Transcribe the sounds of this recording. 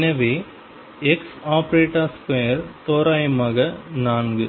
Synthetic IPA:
nɐʋi | ɛksaːpɾeːʈaːskojɐɾt̪oːɾaːjɐmaːɣɐnaːnɡɯ

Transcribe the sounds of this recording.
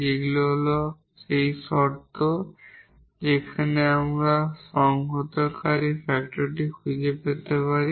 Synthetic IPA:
eɡulɔɦlɔ | sejsɔɾt̪o | d͡ʒekʰaneamɹasɔŋɦɔt̪ɔɾkaɾipʰɛk̚ʈɔɾʈikʰujd͡ʒepet̪epaɾi

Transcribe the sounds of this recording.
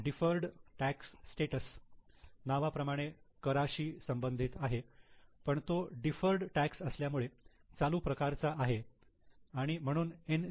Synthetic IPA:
ɖifəɾɖʈæksːʈeʈəs | naʋapɾəmaɽ̃ekəɾaɕiːsəmbənd̪ʱit̪aɦepəɳt̪oɖifəɾɖʈæksəsljamuɭe | t͡saluːpɾəkaɾt͡saʔaɦe | aɽ̃im̤əɽ̃uːnen

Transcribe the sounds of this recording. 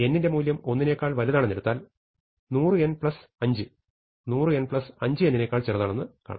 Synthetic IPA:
e̞nːinde̞muːljɐmo̞nːine̞ːkːaːɭʋɐliðaːɳenːeɽut̪ːaːl | nuːrɨe̞npɭɐsɐɲd͡ʑɨ | nuːrɨe̞npɭɐsɐɲd͡ʑɨenːine̞ːkːaːɭt͡ɕerɐðaːɳe̞nːɨka̰ːɳ̰

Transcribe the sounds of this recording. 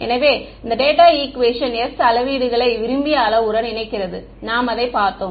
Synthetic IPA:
ɛ̰nɐʋeː | ɪnd̪ɐɖeːʈaːiːkʋeːʂɐnɛsɐlɐʋiːɽɯɣɐɭɐɪʋɪɾɯmbɪjaːlɐʊɾɐnɪnɐɪkːɪrɐðɯ | naːmɐðɐɪpaːɾt̪oː

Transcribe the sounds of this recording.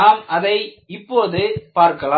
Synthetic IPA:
aːmɐðɐɪ | ɪpːoːðɯpaːɾkɐla

